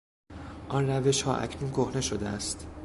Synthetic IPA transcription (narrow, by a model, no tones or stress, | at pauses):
ʔɒnræve̞ʃhɒ̰ːʔæ̰cʰnuːnɡohne̞ʃod̪eæst̪